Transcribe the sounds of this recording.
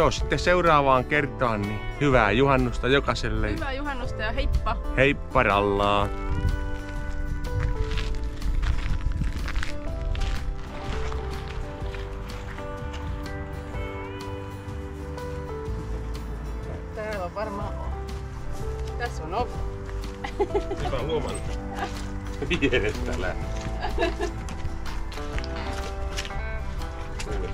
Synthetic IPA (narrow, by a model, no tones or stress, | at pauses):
oːsi̥t̪ːeseurɑːʋɑːŋkert̪ɑːnːihyʋæːjuhɑnːust̪ɑjokɑselːeʋæjuɦɑnːust̪ɑjɑɦejpːɑhejpːɑrɑlːɑː | t̪alapɑɾmɑ | t̪asolop | aoman | bid̪eɾest̪alæ̰